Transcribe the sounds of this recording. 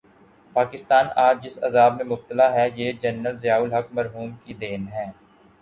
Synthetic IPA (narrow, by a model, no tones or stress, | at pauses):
paːkɪst̪aːnaːd͡ʒd͡ʒɪsɐ̰zaːbmẽmʊb̚t̪əlaɦɛjed͡ʒɐnːəlzɪjaːʊlɦɐkmɐɾɦuːmkid̪eːnɦɛ̃ː